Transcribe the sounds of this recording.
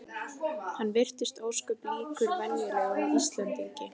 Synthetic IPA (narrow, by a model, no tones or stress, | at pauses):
hanːvɪr̥t̪ɪst̪oːwskʏpiːkʏɾvɛnjʏɾaaist̪lɛnt̪iŋcɪ